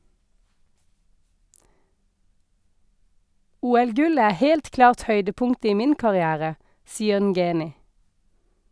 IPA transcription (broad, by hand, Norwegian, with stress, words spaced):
ˈuːɛlˌɡʉlə ˈæː ˈheːlt ˈklɑːʁt ˈhœʏdəˌpʊŋt ˈiː ˈmɪn kɑʁɪˈæːʁə ˈsiːəʁ ˈnɡeːnɪ